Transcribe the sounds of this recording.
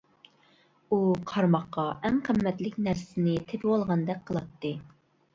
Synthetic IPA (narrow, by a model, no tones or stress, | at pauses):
uqʰɑɾmɑqːɑʔɛmqʰəmːɛt̪lɪkʲnæɾsɪnɪt̪ʰepɪwɑlˠʁɑnd̪ɛk̚ʲqʰəlˠɑt̪ːɨ